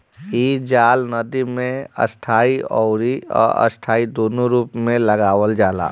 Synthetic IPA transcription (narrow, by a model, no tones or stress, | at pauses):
iːd͡ʒaːlnəd̪imẽə̰sʈʰaːiɔʊɾiɔ̰ːɾə̰sʈʰaːid̪oːnoɾuːpmẽləɡaːwəld͡ʒaːla̰ː